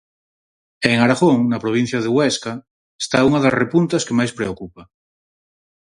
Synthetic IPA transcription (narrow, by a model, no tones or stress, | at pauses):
eŋaɾaɣoŋnapɾoβ̞in̟θjaðewɛska | est̪auŋaðasrepunt̪askemajspɾeokupa